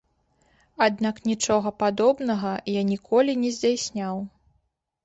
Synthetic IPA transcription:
ad̪naknʲit͡ʂɔɣɐpad̪ɔbnɐɣɐjanʲikʰɔlʲinʲɛzʲd͡zʲawsʲnʲaw

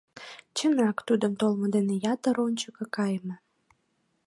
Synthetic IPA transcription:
t͡ɕə̆nɑkt̪ud̪ə̆mt̪olˠmɤ̆d̪enejɑt̪ə̆ɾonʲt͡ɕəkɤ̆kɑjmə̆

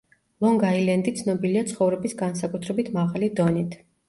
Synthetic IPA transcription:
lˠɔŋɡailɛnd̪it̪sʰnɔbiliat̪sʰχɔvɾɛbisɡansakʼut̪ʰɾɛbit̪ʰmaʁalid̪ɔnit̪ʰ

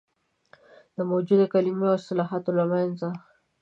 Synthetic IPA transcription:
d̪̥əmowd͡ʒud̪akalimeast̪ɪlɑɦɑt̪olamanza

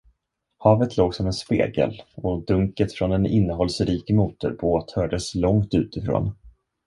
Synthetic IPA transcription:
hɑːvət̪ʰloːɡsɔmɛnspḛːɡə̰lɔd̪ɵŋkət̪fɾɔnɛnɪnːəɦɔlsɾiːkmuːt̪ʊ̰ɾboːt̪hœːɖəslɔŋt̪ʉ̟ːt̪ɪfɾo̰ːn

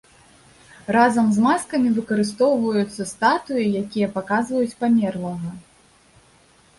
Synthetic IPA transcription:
razɐmzmaskɐmʲivɨkɐɾɨst̪ɔwvɐjut̪sːɐst̪at̪ujijakʲijɐpakazvɐjut͡sʲpamʲɛrlˠɐɣɐ

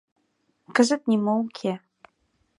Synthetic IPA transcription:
kɘ̆zɘ̆t̪̚nʲimouŋkʲʰe

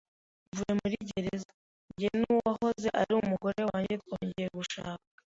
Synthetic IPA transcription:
vuje̞muɾiɟeɾeza | ɲɟinuwaho̞ze̞ʔaɾiumuɡo̞ɾe̞waːɲɟetkoːɲɟejeɡuʃa̰ːka

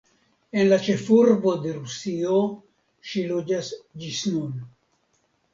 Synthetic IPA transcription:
e̞nlat͡ʃe̞fuɾbo̞d̪e̞ɾusio | ʃilod͡ʒasd͡ʒisnun

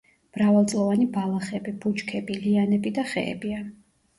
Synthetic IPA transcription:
m̥ɾavalˠt̪sʼlˠɔvanibalˠaχɛbibut͡ʃkʰɛbilianɛbid̪aχɛ̰ɛ̰bia

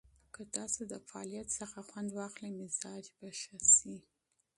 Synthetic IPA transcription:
kət̪ɑsod̪əfaɑ̰lijat̪səxaxwand̪wɑxləmɪzɑd͡ʒbaʃasi

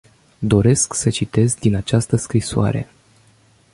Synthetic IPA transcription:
d̪o̞ɾe̞sksət͡ʃit̪e̞zd̪inat͡ʃast̪əskɾisoa̰ɾe̞̰

